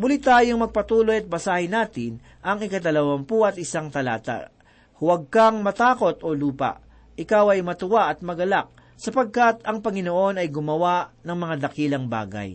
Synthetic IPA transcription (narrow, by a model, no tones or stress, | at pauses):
mʊlit̪aːjoŋmɐɡ̚pɐt̪uːlo̞jɐt̪̚bɐsaːhɪnaːt̪ɪn | ʔɐŋɪkɐd̪ɐlɐwɐmpuɐt̪ʔɪsaŋt̪ɐla̰ːt̪a̰ | hʊwɐɡ̚kaŋmɐt̪aːko̞t̪ʔo̞luːpa̰ʔ | ʔɪkawɐjmɐt̪ʊwaʔɐt̪̚mɐɡɐlak̚ | sɐpɐɡ̚kat̪ɐŋpɐŋɪnoʔo̞nɐjɡʊmɐwaʔnɐŋmɐŋad̪ɐkiːlɐŋba̰ːɡɐ̰j